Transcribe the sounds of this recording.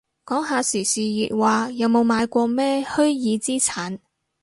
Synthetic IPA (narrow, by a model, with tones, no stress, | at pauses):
kɔː˨˥ŋɦaː˧siː˨˩siː˨jiː˨t̚waː˨jɐ˨˧wmo˨˧wmaː˨˧jkʷɔː˧mɛː˥hɵ˥ɥjiː˨˧t͡siː˥t͡sʰaː˨˥n